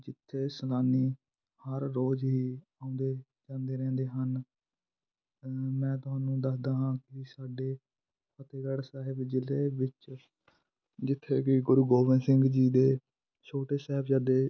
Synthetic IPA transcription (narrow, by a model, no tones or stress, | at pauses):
d͡ʒɪt̪ʰːeːsəlaːniː | həɾːoːd͡ʒɦiːãːʊ̃nd̪eː | d͡ʒãːnd̪eːɾɛ̃ːnd̪eːɦən | mɛ̃ːt̪ʊɦaːnːũːd̪əsd̪aːɦãːkɪsaːɖeː | pʰət̪eːɡəɽsaːɦɪbd͡ʒɪleːʋɪt͡ʃ | d͡ʒɪt̪ʰːeːkɪɡʊɾuːɡoːʋɪnsɪŋɡd͡ʒiːd̪eː | t͡ʃʰoːʈeːsɛːɦbd͡ʒaːd̪eː